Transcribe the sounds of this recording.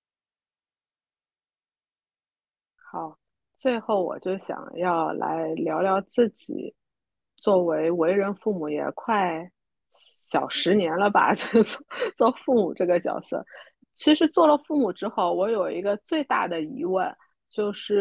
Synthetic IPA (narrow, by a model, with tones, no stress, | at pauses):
xɑ˨˩˦ʊ | t͡swe˥˧ɪxo˥˩ʊwɔ̰˨˩t͡ɕjo˥˩ʊɕjɑ̰˨˩ŋjɑ˥˧ʊla̰˧˥ɪljɑ˧˥ʊljɑ˥˧ʊt͡sɹ̩˥˩t͡ɕḭ˨˩ | t͡swɔ˥˩we˧˥ɪwe˧˥ɪɻə˧˥nfu˥˩mu˨˧˩jɛ̰˨˩kʰwa˥˩ɪ | ɕjɑ˨˩ʊʂɻ̩˧˥njɛ˧˥nlə˧ba̰˨˩t͡ɕt͡sɔ˥˩t͡swɔ˥˧fu˥˩mṵ˨˩ʈ͡ʂɤ˥˩ɡə˩t͡ɕjɑ̰˨˩ʊsɤ̰˥˩ | t͡ɕʰi˧˥ʂɻ̩˧˥t͡swɔ˥˩lə˩fu˥˩mu˨˩ʈ͡ʂɻ̩˥xo˥˩ʊwɔ˧˥jo˨˩ʊi˧˥ɡə˧t͡swe˥˧ɪt̪a̰˥˩d̪ə˩i˧˥wə˥˩n | t͡ɕjo˥˧ʊʂɻ̩˥˩